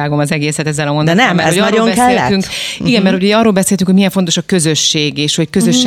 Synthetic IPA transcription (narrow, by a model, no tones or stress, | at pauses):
aːɡo̞mɒzɛɡeːsɛt̪ɛzːɛlɒmo̞nd̪ɛnɛmmːɛɾɛoɒrooɛkɛeːlt̪yŋkiɡɛmɛrthocoɒrːoːlbɛseːlt̪yŋkhomijɛɱfo̞nt̪o̞ʃɒkø̞zøʃːeːɡeːʃho̞ckøzøʃː